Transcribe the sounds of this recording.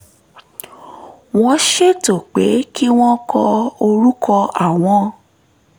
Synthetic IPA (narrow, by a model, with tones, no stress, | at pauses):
w̃ɔ̃˦ʃe˦to˨k͡pe˨˦ki˦w̃ɔ̃˦kʰɔ˧o˧ɾu˦kʰɔ˧ʔa˦˨w̃ɔ̃˨˦